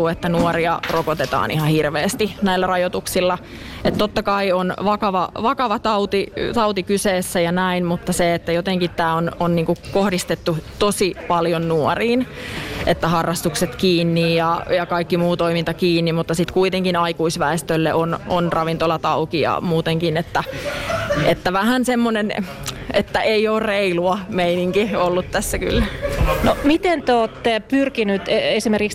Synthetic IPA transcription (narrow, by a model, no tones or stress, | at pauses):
uːet̪ːænuoɾiɑrokot̪et̪ɑ̰ːnihɑhirʋeːst̪inæilːærɑjot̪uksilːɑ | et̪t̪ot̪ːɑkɑionʋɑkɑʋɑʋɑkɑʋɑt̪ɑut̪it̪ɑut̪ikyseːsːæjɑnæinmut̪ːɑseet̪ːæjot̪eŋkit̪tːæːononniːŋkukohdist̪et̪ːut̪osipɑljonnuoriːnʔet̪ːæhɑrːɑst̪ukset̪kiːnːijjɑjɑkɑikːimuːt̪oimint̪ɑkiːnːimmut̪ːɑsit̪kuit̪eŋkinɑikuisʋæest̪ølːeʔononrɑʋint̪olɑt̪ɑukiɑ̰muːt̪eŋkinet̪ːæ | ʔet̪ːæʋæhænsemːonen | et̪ːæʔeioːrreiluɑmeiniŋkiolːut̪t̪æsːæky̰lːænomit̪ent̪oːt̪ːepyrkinyt̪esimerkiks